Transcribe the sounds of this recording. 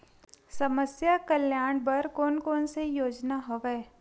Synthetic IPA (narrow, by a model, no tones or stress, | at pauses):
sɐməsjakəljaːɽ̃bɐɾkoːnkoːnsejoːd͡ʒnaɦoʋeː